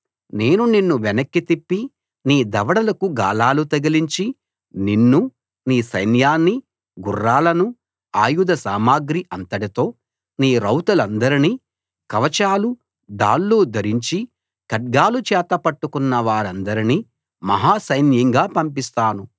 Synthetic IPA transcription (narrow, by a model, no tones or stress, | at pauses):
ne̞ːnuninːuʋɛnɐkːit̪ipːi | niːd̪ɐʋɐɽɐlɐkuɡaːlaːlut̪ɐɡɐliɲt͡ʃi | ninːu | niːsɐjnjaːnːi | ɡurːaːlɐnu | aːjud̪ɐsaːmaːɡɾiʔɐnt̪ɐʈit̪o̞ː | niːɾɐwt̪ɐlɐnd̪ɐɾini | kɐʋɐt͡ʃaːlu | d̪a̰ːlːuːd̪ɐɾiɲt͡ʃi | kɐʈ̚ɡaːlut͡ʃɛːt̪ɐpɐʈːukunːɐʋaːɾɐnd̪ɐɾini | mɐɦaːsɐjnjɐŋɡaːpɐmpist̪aːnu